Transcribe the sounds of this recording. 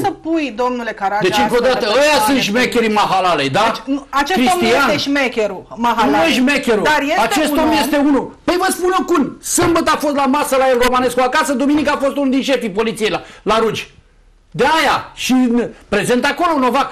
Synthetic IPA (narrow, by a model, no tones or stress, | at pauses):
səpujd̪o̞mnulekaɾad̪et͡ʃɨŋkod̪at̪əəjasunʃmekʲe̞ɾimaɦalalejd̪aat͡ʃeskɾisomianeʒmekʲeɾumaɦanueʃmekʲeɾud̪arjeat͡ʃe̞somje̞st̪e̞unupəjvəspunjokunsəmbət̪afost̪lamasəlaelro̞mane̞skoakasəd̪uminikafo̞st̪unuld̪inʃe̞fipo̞lit̪sijejlalaɾud͡ʒʲ | d̪e̞ajaʃinpɾe̞ze̞nt̪ako̞lo̞no̞vak